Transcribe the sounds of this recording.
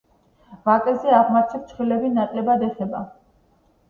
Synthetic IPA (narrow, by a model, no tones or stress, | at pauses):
vakʼɛzɛaʁmat̪ʰiɾt̪t͡ʃ̪ʰχwilɛbinat̪ʼlɛbad̪ɛχɛba